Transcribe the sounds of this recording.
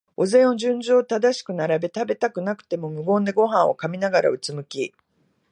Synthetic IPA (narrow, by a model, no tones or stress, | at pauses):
o̞zẽ̞ɰ̃o̞d͡ʑɨ̃ɲd͡ʑoːt̪ad̪aɕi̥kɯ̟naɾabe̞t̪abe̞t̪akɯ̟nakɯ̟̥t̪e̞mo̞mɯ̟ɡo̞ːnd̪e̞ɡo̞ɦãɰ̃o̞̰kamʲinaɡaɾa̰ɯ̟t͡sɨmɯ̟kʲi